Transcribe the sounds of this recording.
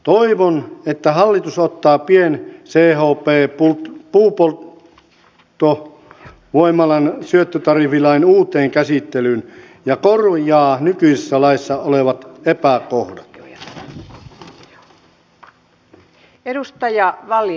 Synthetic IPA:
t̪oiʋonet̪ːæhɑlːit̪usot̪ːɑːpienseːhoːpeːpult̪puːpol | t̪ːo | ʋoimɑlɑnsyøt̪ːøt̪ɑrifilɑinuːt̪eːŋkæsit̪ːelyn | jɑkorjɑːnykyisisːælɑisːɑoleʋɑt̪epækohdɑt̪ | edust̪ɑjɑʋɑl

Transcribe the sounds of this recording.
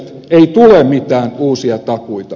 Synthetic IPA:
t̪ | eit̪ulemmit̪æːnuːsiɑt̪ɑkuit̪ɑ

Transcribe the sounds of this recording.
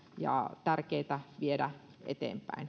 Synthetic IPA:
jɑ̰t̪ærkeit̪æʋiedæ | ʔḛt̪ḛːmpæ̰in

